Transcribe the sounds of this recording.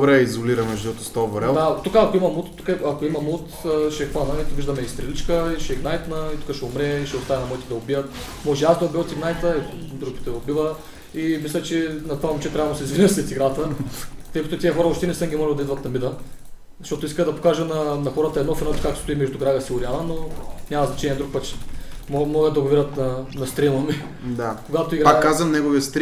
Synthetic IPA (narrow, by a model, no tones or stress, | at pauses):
dd̪obɾɛizoliɾɐmɛʒd̪uɛt̪ʊ̥st̪oboɾɛld̪at̪ukəɐkoimɐmut̪ːukəɐkoimɐmut̪ːʃɛxvanəit̪viʒd̪ɐmɛist̪ɾɛlit͡ʃkəiʃɛɡnajt̪nɐit̪u̥kəʃɛʊmɾɛiʃɛʊst̪avɛnɐmojit̪ɛd̪ɐʊbijət̪ | mɔʒɛazd̪ɐʊbiət̪iɡnajt̪əid̪ɾupi̥t̪ɛobivə | imislʲɛt͡ʃɛnɐt̪ovamut͡ʃɛt̪ɾʲavɐmsɛizvinʲəsɾɛt̪iɡɾat̪ət̪əjkɐt̪ʊt̪iəxɔɾəoʃt̪ɛnɛsəmɡʲimɔʒɛlˠd̪id̪vɐət̪nɐmid̪ə | zɐʃt̪ot̪ʊiskəd̪ɐpo̥kaʒənɐnɐxɔɾət̪əɐɛd̪nɔfɛnɔɛt̪kakost̪uimɛʒd̪ʊɡɾaɣəsiʊɾialˠɐnonʲamɐznɐt͡ʃɛnʲiɛd̪ɾuk̚pətt͡ʃɛ̥mmɔɡəd̪ɐɡʊviɾʲət̪nɐnɐst̪ɾimˠɐmi | d̪akoɡat̪oiɡpakːazɐmnɛɡoviəst̪ɾ